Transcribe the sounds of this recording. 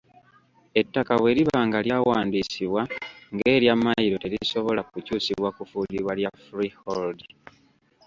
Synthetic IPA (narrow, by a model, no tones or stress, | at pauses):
e̞tːakawe̞ːɾiβaːŋɡaljawaːndisiβwaŋɡe̞ːɾjamːajiɾo̞te̞ɾiso̞βo̞lakucuːsiβwakufuliβwaljafɾiholdi